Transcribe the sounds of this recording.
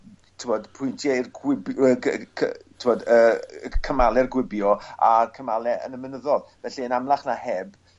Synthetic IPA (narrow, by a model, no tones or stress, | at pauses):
tʰɪwmɔdpʰʊjntʰjɛirɡwɪbəkʰətʰɪmɔdəːkʰəmalˠɛrɡwɪbjɔakʰəmalɛə̰nəmənəðɔðv̥ɛɬiənamlˠaχnahɛb